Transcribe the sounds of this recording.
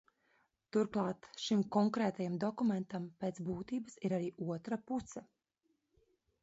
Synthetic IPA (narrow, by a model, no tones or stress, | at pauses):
t̪uɾklˠɑːt̪ʃimkɔŋkɾeːt̪ajamd̪ɔkumẽnt̪ampeːt̪sbuːt̪iːbəsiɾaɾiːʔuɔt̪ɾapusɐ